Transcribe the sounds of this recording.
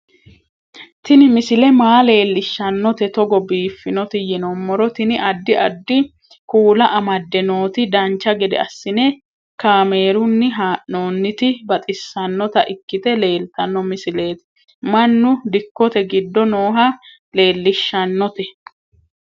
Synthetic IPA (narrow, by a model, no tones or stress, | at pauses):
t̪ɪnɪmɪsɪlɛmaːle̞ːlːɪʃːɐnːɔt̪ɛt̪ɔɡɔbiːfːɪnɔt̪ɪjɛnɔmːɔɾɔt̪ɪnɪʔɐd̪ːɪɐ̰d̪ːɪ | kuːlɐʔɐmɐd̪ːɛnoːt̪ɪd̪ɐnt͡ʃːɐɡɛd̪ɛ̰ɐsːɪnɛ | kaːme̞ːɾʊnːɪɦaːʔnoːnːɪt̪ɪbɐt̪ʼɪsːɐnːɔt̪ɐʔɪkːɪt̪ɛle̞ːlt̪ɐnːɔmɪsɪle̞ːt̪ɪ̥ | mɐnːʊd̪ɪkːɔt̪ɛɡɪd̪ːɔno̞ːɦɐ | le̞ːlːɪʃːɐnːɔt̪ɛ